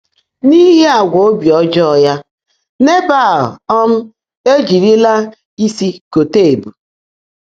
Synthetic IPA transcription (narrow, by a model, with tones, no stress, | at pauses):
ni˦ɦe˦a˨ɡʷo˨o˦bjɔ˦d͡ʒɔ˦˨ja˦ | ne˦ba˦˨lɔ˦m̩˦ | e˦d͡ʒi˨ɾi˦la˦ | i˦si˦ko˨te˦˨e˨bu˨